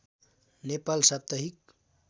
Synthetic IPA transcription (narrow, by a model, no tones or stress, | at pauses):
nepalsab̚t̪əɦik̚